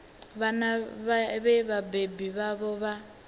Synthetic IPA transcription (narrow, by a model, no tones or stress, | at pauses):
βanaββɛβabebiβaβɔβa